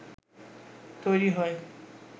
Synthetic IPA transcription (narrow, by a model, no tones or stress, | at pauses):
t̪ojɾiɦɔe